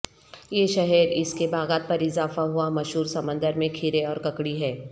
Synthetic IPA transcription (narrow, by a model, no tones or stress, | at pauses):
jeːʃɐɦɛɾɪskebaːɣaːt̪̚pɐɾɪzaːfaɦuamɐʃɦuːɾsɐmə̃nd̪əɾmẽkʰɪɾeɔːɾkɐkɽiɦɛː